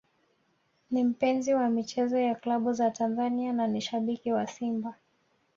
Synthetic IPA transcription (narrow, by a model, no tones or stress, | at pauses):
nim̩pɛnziwamit͡ʃɛzɔjaklaɓuzatanzaniananiʃaɓikiwasimba